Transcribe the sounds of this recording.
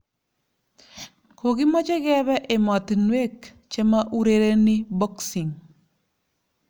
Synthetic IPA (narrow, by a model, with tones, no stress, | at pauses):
kʰo˨ɡi˦mɔ˦t͡ʃɛ˦ɡɛ˦bɛ˦ʔɪ˨mɔ˨t̪nwe˦k | t͡ʃe˦ma˦ʔu˦ɾeɾe˦ni˦bɔ˦ksɪ˨ŋ